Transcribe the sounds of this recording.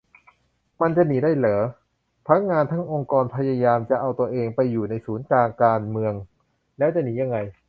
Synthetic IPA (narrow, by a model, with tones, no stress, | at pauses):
ma˧nt͡ɕa˨ʔniː˩˦daː˥˩jlɤː˩˦ | pʰa˥k̚ŋaː˧nt̪ʰa˥˩ŋʔo˧ŋkɔː˧npʰa˧ja˧jaː˧mt͡ɕa˨˩ʔa˧wt̪u˧əʔeː˧ŋpa˧jːuː˨˩na˧jsuː˩˦nklaː˧ŋkaː˧nmɯ˧əŋ | lɛː˦˥wt͡ɕa˨˩niː˩˦ja˧ŋːa˧j